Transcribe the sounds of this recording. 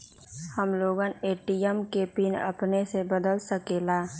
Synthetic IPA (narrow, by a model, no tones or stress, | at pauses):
həmloːɡaneːʈiɛmkeːpinə̰pnesebəd̪əlsəkeːlaː